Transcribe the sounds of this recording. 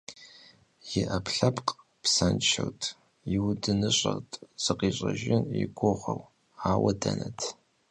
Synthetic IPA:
jɪʔɐpʰɬɐpʼqʼ | psɐnt͡ʃʰɐ̰wtʰʼ | iwdɨnɨɕʼɐrtʼz̥ɨqiːɕʼɐʒɪniɡʷoʁʷɐw | aːwɐdɐnɐtʰ

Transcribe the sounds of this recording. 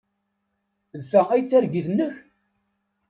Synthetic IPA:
ðθææjθæɾɡiθnːəç

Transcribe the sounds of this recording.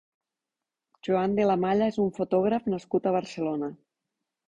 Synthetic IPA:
ʒuand̪elamaʎaezuɱfot̪ɔɣ̞ɾafnaskut̪əβ̞əɾselona

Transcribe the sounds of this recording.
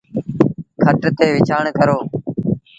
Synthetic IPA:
kʰəʈt̪eːʋɪt͡ʃʰaːɳkəɾoː

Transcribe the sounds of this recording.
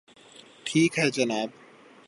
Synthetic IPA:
ʈʰiːkɦɛd͡ʒɐnaːb

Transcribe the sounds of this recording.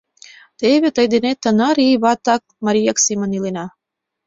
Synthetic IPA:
t̪eβʲet̪əjd̪enet̪ːənɑɾiβɑt̪ɑk̚mɑɾʲijɑksimənilenɑ

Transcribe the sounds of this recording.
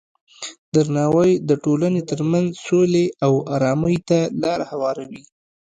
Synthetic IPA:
d̪aɾnɑwəjd̪əʈolanet̪əɾmanzsoleawɑɾɑməjt̪alɑɾahawɑɾawi

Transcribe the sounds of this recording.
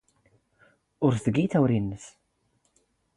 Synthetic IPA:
ʊɾθθəɡiθæwɾinːəθ

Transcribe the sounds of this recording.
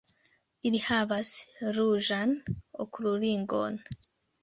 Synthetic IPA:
iɾihaβasɾuʒanokuɾuliːŋɡo̰n

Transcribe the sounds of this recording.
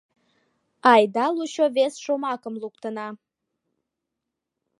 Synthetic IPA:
ɑjd̪ɑluɕovesʃomɑkəmluk̚t̪ənɑ

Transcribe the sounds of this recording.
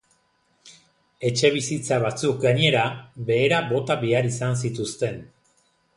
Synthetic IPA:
e̞t͡ʃe̞β̞isit͡saβ̞at͡suk̚ɡaɲe̞ɾaβe̞ːɾaβo̞t̪aβiaɾisans̬it̪ust̪e̞n

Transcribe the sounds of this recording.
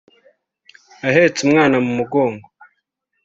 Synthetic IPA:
aɦeːt͡sumŋaːnamumuɡo̞ːŋɡo

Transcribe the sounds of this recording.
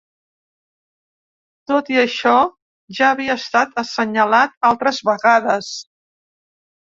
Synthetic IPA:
t̪ot̪iəʃɔ | ʒaəβiəːst̪at̪əsəɲəlat̪̚alˠt̪ɾəzβəɣaðəs

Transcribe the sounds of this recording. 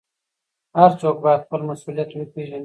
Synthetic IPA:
haɾt͡sok̚bajad̪χpəlmasulijat̪wəpeʒan

